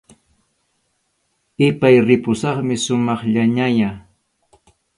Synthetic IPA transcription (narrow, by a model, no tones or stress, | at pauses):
ɪpajɾɪpʊsɑχmɪʃʊmɑχʎaɲajaː